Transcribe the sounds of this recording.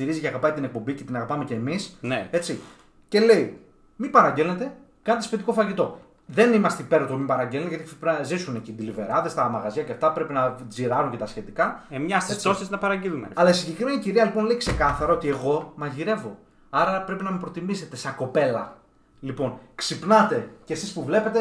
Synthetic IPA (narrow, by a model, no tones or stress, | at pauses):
iɾiziceɐɣɐpɐjt̪inek̚po̞mbicet̪inɐɣɐpɐmece̞ːmisnee̞t͡si | ce̞lei | mipɐɾɐɲɟelnet̪e̞ | kɐnet̪esfit̪iko̞fɐʝit̪o̞ | ðe̞nimɐst̪eipe̞ɾot̪omimbɐɾɐɲɟelnt̪eʝɐt̪ipɾezisunecid̪ilive̞ɾɐðest̪ɐmɐɣɐzʝɐceɐft̪ɐpɾe̞pinɐd͡ziɾɐɾuɲcet̪ɐsçe̞t̪ikɐemɲɐst̪ist̪osisnɐpɐɾɐɲɟilumḛɐlɐisiɲɟe̞kɾime̞niciɾiɐlipo̞nle̞ikse̞kɐθɐɾɐo̞t̪ie̞ɣo̞mɐʝiɾe̞vo̞ | ɐɾɐpɾe̞pinɐmepɾo̞t̪imise̞t̪e̞sɐko̞pe̞lɐ̰ | lipo̞nksipnɐt̪e̞cesispuvle̞pe̞t̪e